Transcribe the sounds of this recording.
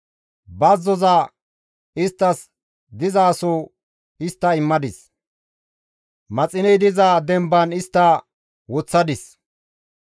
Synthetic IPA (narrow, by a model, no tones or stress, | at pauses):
bɐzːɔzɐ | ɪst̪ːɐs | d̪ɪzaːsɔ | ɪst̪ːɐɪmːɐd̪ɪs | mɐt͡sʼɪnɛd̪ɪzaːd̪ɛmbɐnɪst̪ːɐ | wɔt͡sːɐd̪ɪs